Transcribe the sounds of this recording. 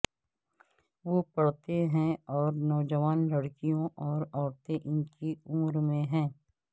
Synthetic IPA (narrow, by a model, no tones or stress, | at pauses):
ʋopɐɽ̤t̪eɦɛ̃ɔːɾnɔːd͡ʒəʋaːnlɐɽkijõʔɔːɾɔːɽt̪eʔɪnkiʊmɾmẽɦɛ̃ː